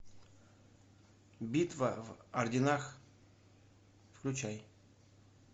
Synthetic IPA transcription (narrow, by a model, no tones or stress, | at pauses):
bʲit̪vəvɐrdʲɪnax | fklʲʉt͡ɕaj